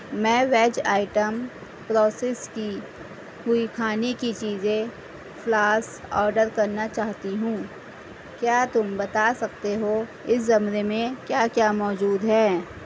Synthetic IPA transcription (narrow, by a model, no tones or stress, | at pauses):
mɛ̃ːʋɛːd͡ʒaːɪʈəm | pɾɔːseːski | hʊikʰaːnikit͡ʃiːzẽ | fʰlaːsɔːɾɖəɾkɐɾnat͡ʃaːɦt̪iɦũː | kjaːt̪ʊmbɐt̪aːsɐk̚t̪eɦo | ɪszɐmɾemẽkjaːkjaːmɔːd͡ʒuːd̪ɦɛː